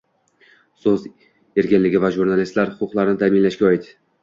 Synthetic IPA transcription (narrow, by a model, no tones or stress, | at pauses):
soz | e̞ɾɡʲɪnlɪɡʲɪvaʒuɾnalist̪laɾhʊqʰʊqlˠaɾɪnɪt̪ʰamɪnlaʃkʲaɒɪt̪